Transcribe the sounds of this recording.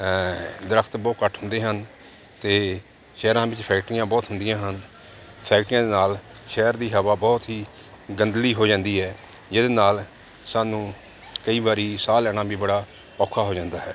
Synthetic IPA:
d̪əɾəkʰt̪bɔːkəʈʰɦʊ̃nd̪eːɦən | t̪eː | ʃɛːɾãːbɪt͡ʃpʰɛːkʈɪjãːbɔːt̪ɦʊnd̪ɪjãːɦən | pʰɛːkʈɪjãːd̪eːnaːlʃɛːɾd̪iːɦəʋaːbɔːt̪ɦiː | ɡənd̪liːɦoːd͡ʒãːnd̪iːɦɛː | d͡ʒed̪eːnaːl | saːnũː | kəiːbaːɾiːsaːlɛñãːbiːbəɽaː | pɔːkʰaːɦoːd͡ʒãːnd̪aːɦɛ̰ː

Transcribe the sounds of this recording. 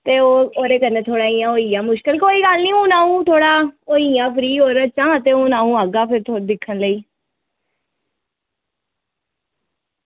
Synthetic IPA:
t̪eːoːoːɾeːkəneːt̪ʰoːɽaːiːjãːoːiːjãːmʊʃkəlkoːiːɡəlnĩːũːnãːũːt̪ʰoːɽaːoːijãːpʰɾiːoːɾat͡ʃãːt̪eːũːnaːũːaːɡaːpʰɪɾt̪ʰod̪ɪkʰːənləiː

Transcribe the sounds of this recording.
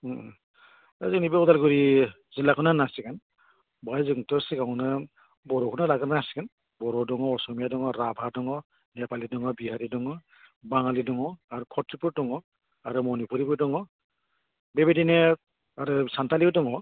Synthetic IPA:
azinibeɔdalɡuɾi | zilakʰɔnanasikan | bajzɯŋtɔsikawnɯ | bɔɾɔkʰɔnalaɡɯnanasi̥kan | bɔɾɔdɔŋɔɔsɔmijadɔŋɔɾabʱadɔŋɔ | nɛpalidɔŋɔbiɦaɾidɔŋɔ | baŋalidɔŋɔaɾukʰɔtʰːipuɾdɔŋɔ | aɾumɔnipuɾipuɾdɔŋɔ | bebedine | aɾusantaliɯdɔŋɔ

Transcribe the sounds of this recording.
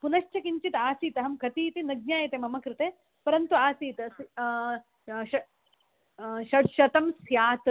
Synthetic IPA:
punɐʃʈɐkiɲt͡ʃit̪aːsiːt̪ɐɦɐmkɐt̪iːt̪inɐɡ̚ɲjaːjɐt̪emɐmɐkɾɪt̪eː | pɐɾɐnt̪uaːsiːt̪ɐs | ʃɐ | ʃɐɽʃɐt̪ɐmsjaːt̪ɾ

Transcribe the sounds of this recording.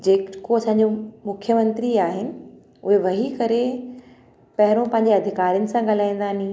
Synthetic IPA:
d͡ʑeːkoɐsãːɲ̆d͡ʑomʊkʰjəmɐ̃nt̪ɾiaːɦɪnɪ̆ | ʊɦeʋɐɦikɐɾe | pɐɦɪɾõpɐ̃ɦɪ̃ɲd͡ʑeɐd̪ʱɪkaːɾijʊnɪ̆sãɠɐl̤aːĩn̆d̪aːnĩ

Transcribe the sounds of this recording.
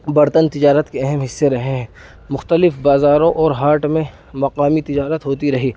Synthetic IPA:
bɐɾt̪ənt̪ɪd͡ʒaːɾət̪keɛɦɛmɦɪsːeɾɐɦẽɦɛ̃ː | mʊxt̪əlɪfbaːzaːɾõʔɔːɾɦaːɾʈmẽ | mɐqaːmit̪ɪd͡ʒaːɾət̪ɦoːt̪iɾɐɦiː

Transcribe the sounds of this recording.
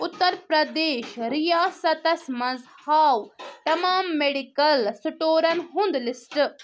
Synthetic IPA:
ʊt̪ːɐɾpɾɐd̪eːʃɾijaːsɐt̪ɐsmɐ̃zhaːwt̪ɐmaːmːeɖikɐlsuʈoːɾɐnɦũnd̪lɪsʈ

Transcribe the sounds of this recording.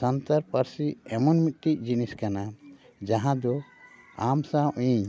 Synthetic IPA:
sənt̪aɾpəɾsiɛmɔnmit̪̚ˀʈic̚ˀd͡ʒiniskana | d͡ʒãɦãd̪ɔ | amsãʔĩɲ

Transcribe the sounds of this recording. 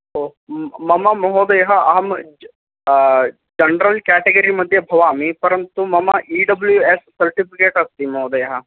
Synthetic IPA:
omɐmamɐɦoːd̪ɐjɦaɐɦɐm | d͡ʒɐnɾəlkɛːʈeɡəɾimɐd̪ʱjɐbʱɐʋaːmipɐɾə̃nt̪umɐmaʔiːɖɐbljueːssɐɾʈipʰɪkeːʈɐst̪imɐɦoːd̪ɐjɦa

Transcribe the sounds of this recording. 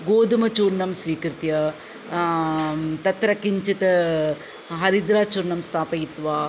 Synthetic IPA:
ɡoːd̪ɐmɐt͡ʃuːɾɳɐmsʋiːkɾt̪jɐ | t̪ɐt̪ɾɐkiɲt͡ʃit̪ɐ | ɦɐɾid̪ɾaːt͡ʃuːɾɳɐmst̪ʰaːpɐjit̪ʋaː

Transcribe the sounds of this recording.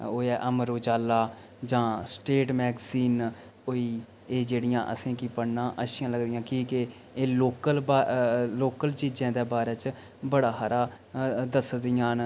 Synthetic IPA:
oːɛːʔəmɾoːd͡ʒaːlaː | d͡ʒãːsʈeːʈmɛːɡziːn | oiː | eːd͡ʒeːɽɪjãːʔə̰sẽːkiːpəɽnãːʔəʃɪjãːləɡd̪ijãːkiːkɪ | eːloːkəlbːloːkəlt͡ʃiːd͡ʒãːd̪eːbaːɾɛːt͡ʃ | bəɽaːɦaɾaː | d̪əsd̪ɪjãːn

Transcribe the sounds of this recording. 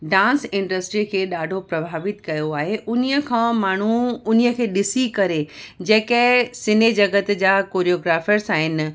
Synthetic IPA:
ɖãːnsɪ̃ɳɖəsʈɾikʰeːɗaːɖʱopɾɐbʱaːʋɪt̪kɐjoaːɦeʔʊniəkʰãːmaːɳ̤uʊniə̆kʰeːɗɪsikɐɾed͡ʑeːkəɦsɪned͡ʑɐɡət̪d͡ʑaːkoːɾijoːɡɾaːfəɾsaːɦɪnɪ̆

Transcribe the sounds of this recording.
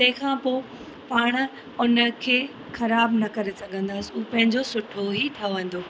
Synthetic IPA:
t̪ɐ̃ɦɪ̃kʰãːpoː | paːɽ̃̆ | ʊnə̆kʰeː | xɐɾaːbnɐkɐɾesɐɡʱə̃nd̪aːsiuːpɐ̃ɦɪ̃ɲd͡ʑosʊʈʰoɦiʈʰɐʋə̃n̆d̪oː

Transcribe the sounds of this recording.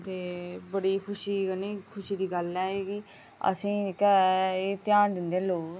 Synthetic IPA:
t̪eːbəɽiːkʰʊʃiːənẽːkʰʊʃiːd̪iːɡəlɛːeːɡiː | ə̰sĩːkː | t̪jaːnd̪ɪnd̪eːloːk

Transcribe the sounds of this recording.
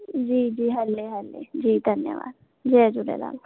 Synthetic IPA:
d͡ʒiːd͡ʒiːɦɐlːeɦɐlːḛd͡ʒiːd̪ʱɐnjə̰ʋa̰ːd̪̚ | d͡ʒeːd͡ʒuɖḛla̰ːl

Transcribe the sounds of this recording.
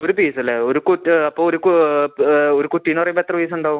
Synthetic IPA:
oɾupiːsɐlːeoɾukuʈːɐpːoːoɾuku | oɾukuʈːinɐrɐjbɐt̪ːrɐpiːs̬uɳɖaːʋum

